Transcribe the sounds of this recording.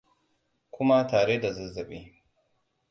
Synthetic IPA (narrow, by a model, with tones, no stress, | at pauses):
kʷʊ˦ma˦taː˨ɽe˦da˨zɐ˦zɐ˨ɓeː˦